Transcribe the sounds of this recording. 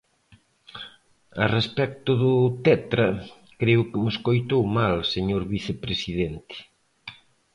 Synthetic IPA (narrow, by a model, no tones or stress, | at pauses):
ɐ̰respɛk̚t̪ʊðʊt̪ɛt̪ɾɐ | kɾeʊkɪmʊskojt̪owmalseɲoɾβiθepɾesiðɛnt̪ɪ̥